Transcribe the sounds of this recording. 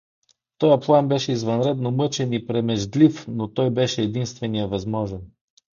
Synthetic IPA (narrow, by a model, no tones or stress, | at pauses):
t̪ɔjəplˠanbɛʃɛizvɐnɾɛd̪nomɤt͡ʃɛnipɾɛmɛʒd̪lifnot̪ɔjbɛʃɛːd̪inst̪vɛnijəvɐzmɔʒɛn